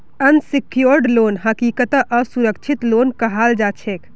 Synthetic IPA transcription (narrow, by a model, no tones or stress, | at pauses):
ənsikjoɾɖlonɦəkikət̪əʔəsuɾəkt͡ʃʰit̪lonkəɦald͡ʒat͡ʃʰek